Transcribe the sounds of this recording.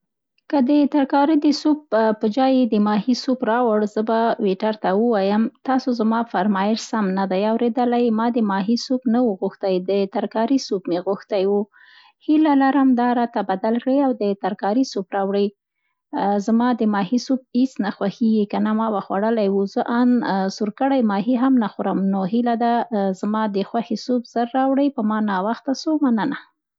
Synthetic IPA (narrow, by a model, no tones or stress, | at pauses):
kəd̪ət̪aɾkɑɾid̪əsop̚pəd͡ʒɑjed̪əmɑhisopɾɑwəɽzəbaweʈaɾt̪awəwɑjəmt̪ɑsozamɑfaɾmɑjɪʃsamnad̪ajawɾed̪əlajmɑd̪əmɑɦisopnawəɣuxt̪ajd̪ət̪aɾkɑɾisupmeɣuxt̪ajwu | hilalaɾəmd̪ɑɾɑt̪abad̪alkɽiawd̪ət̪aɾkɑɾisobɾɑwɽəj | zmɑd̪əmɑhisub̚it͡snaxwaxiɡikanamɑwaxwa̰ɽəlajwuzəʔansuɾkəɽajmɑɦiɦamnaxʊɾamnoɦilad̪azmɑd̪əxwaxesubz̥əɾːɑwɽəjpəmɑnɑwaxt̪asomanəna